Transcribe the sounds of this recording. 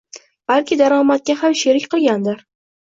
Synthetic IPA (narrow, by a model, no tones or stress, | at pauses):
b̥alkʲʰɪd̪aɾɒmat̪̚kʲahamʃeɾɪkʲqɨlˠɡʲand̪ɪɾ